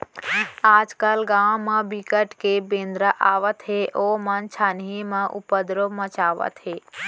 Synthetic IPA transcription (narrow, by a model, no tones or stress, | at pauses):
aːd͡ʒkəlɡãːwmə̃bikəʈkebẽːnd̪ɾəʔaːʋət̪ɦeʔoːmɐnt͡ʃʰaːnimə̃ʔṵpəd̪ɾomə̃t͡ʃaːʋə̰t̪ɦeː